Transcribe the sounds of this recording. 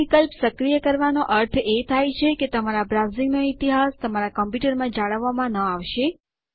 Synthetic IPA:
ikəlpsəkɾijəkəɾʋanoʔəɾt̪ʰet̪ʰajt͡ʃʰeket̪əmaɾabɾawzĩŋɡnoit̪iɦast̪əmaɾakəmpjuʈəɾmãd͡ʒaɭəʋːamãnəaʋʃe

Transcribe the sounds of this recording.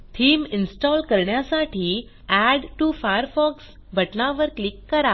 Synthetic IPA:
t̪ʰiːminsʈɔlkəɾɳjasaʈʰiː | æɖʈufajəɾfɔks | bʱəʈnaʋəɾklikːəɾa

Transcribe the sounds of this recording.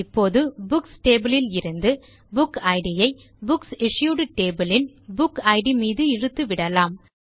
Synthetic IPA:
ɪpːoːðɯbʊksʈeːbɯlɪlɪɾɯnd̪ɯ | bʊkɐɪɽɪjɐɪ | bʊksɪʂjuːɽɯʈeːbɯlɪn | bʊkɐɪɽimiːðɯɪɻɯt̪ːɯʋɪɽɐlaːm

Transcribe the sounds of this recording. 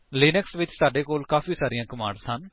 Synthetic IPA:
leːnɛksʋɪt͡ʃsaːɖeːkoːlkaːfiːsaːɾɪjãːkəmã̰ːɳɖsən

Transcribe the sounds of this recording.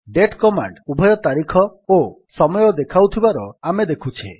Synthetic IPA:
ɖeʈkɔma̰ɳɖubʱɔjɔt̪aɾikʰɔo | sɔmɔjɔd̪ekʰawt̪ʰibaɾɔamed̪ekʰut͡ʃʰḛ

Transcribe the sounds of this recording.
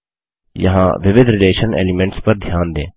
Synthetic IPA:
jɐ̰ɦã̰ːʋɪʋɪd̪ʱɾɪleːʃənḛːlɪmɛ̃ɳʈspɐɾd̪ʱjaːnd̪ḛ̃ː

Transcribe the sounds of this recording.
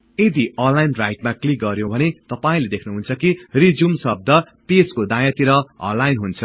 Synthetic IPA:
ed̪iʌnlajnrajʈmaklik̚ɡʌɾjõbʱʌnet̪ʌpaĩled̪ekʰnuɦunt͡sʰʌkirid͡zumsʌb̚d̪ʱʌ | peskod̪ajʌt̪iɾʌʌ̰̃nlːajnɦunt͡sʰʌ

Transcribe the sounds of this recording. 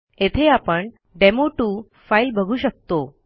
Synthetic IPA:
et̪ʰeapəɳ | ɖemoʈuː | failbʱəɡʱuːɕək̚t̪o

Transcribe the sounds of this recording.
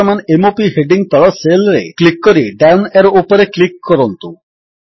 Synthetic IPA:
ɔmanemopiɦeɖiŋɡt̪ɔɭɔselɾḛklikːɔɾiɖawneɾɔupɔɾeklikːɔɾɔnt̪u

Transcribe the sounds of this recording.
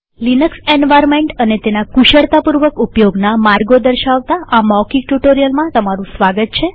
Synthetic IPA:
linəksenʋaɾmeɳʈənet̪enakuʃəɽt̪apuɾʋəkupjoɡnamaɾɡod̪əɾʃaʋt̪aʔamɔkiʈuʈoɾijəlmãt̪əmaɾũsʋaɡət̪̚t͡ʃʰe

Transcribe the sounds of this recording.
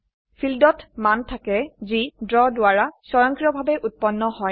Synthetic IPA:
fʰildɔtmantʰakɛzidɹɔdʊaɹasɔjɔŋkiɹɔbʱabɛʔut̚pɔnːɔhɔj

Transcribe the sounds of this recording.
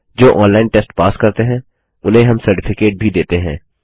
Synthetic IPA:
d͡ʒoːʔɔ̃ːnlaːɪnʈɛsʈpaːskɐɾt̪eɦɛ̃ː | ʊleɦɐmsɐɾʈɪpʰɪkeːʈ̚bʱid̪eːt̪eɦɛ̰̃ː

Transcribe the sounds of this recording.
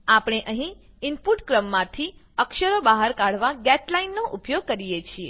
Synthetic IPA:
apɳ̃eʔəɦĩ | ɪmpuʈkɾəmːãt̪ʰi | əkʃəɾobaɦaɾkaɽ̤ʋaɡɛʈlainːoʔupjoɡ̚kəɾijet͡ʃʰie

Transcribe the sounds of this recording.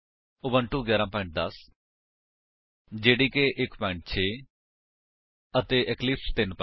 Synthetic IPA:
ʊbənʈuːɡjaːɾãːpɔ̃ɪ̃ɳʈ̚d̪əs | d͡ʒeːɽiːkeʔɪkpɛ̃ɪ̃ɳʈ̚t͡ʃʰeː | ət̪eːʔɛklɪpst̪ɪnp

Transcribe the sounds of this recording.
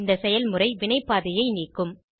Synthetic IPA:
nd̪ɐsɛjɐlmɯrɐɪʋɪɳɐɪpːaːðɪjɐɪniːkːɯm

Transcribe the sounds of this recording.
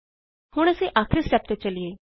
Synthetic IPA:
hʊɽ̃ɛsiʔaːkʰɾist͡ʃɐp̚t̪et͡ʃɐlieː

